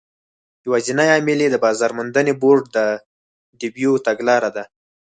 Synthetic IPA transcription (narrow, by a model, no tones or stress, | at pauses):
jawazinajɑmɪled̪əbɑzɑɾmʊnd̪əneboɖd̪ə | ɖibjut̪aɡlɑɾad̪a